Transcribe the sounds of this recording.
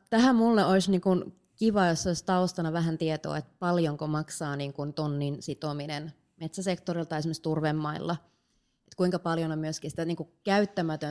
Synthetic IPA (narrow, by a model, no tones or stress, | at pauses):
t̪æhæmmulːeolisniːŋkun | kiʋɑːjosːeolist̪ɑost̪ɑnɑʋæɦænt̪iet̪o̰ːet̪pɑljoŋkomɑksɑːniːŋkunt̪onːinsit̪ominen | met̪sæsekt̪orilt̪ɑiesimːst̪urʋemːɑḭlːɑ | et̪kuiŋkɑpɑljonommyøskinsĭ̥t̪æniːŋkukæyt̪ːæmæt̪ø